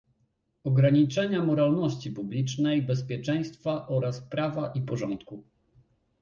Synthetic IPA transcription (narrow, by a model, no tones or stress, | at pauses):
ɔɡɾaɲit͡ʂɛɲamɔɾalnɔɕt͡ɕipublʲit͡ʂnɛjbɛspʲjɛt͡ʂɛj̃st̪faʔɔɾaspɾavaʔipɔʐɔnt̪ku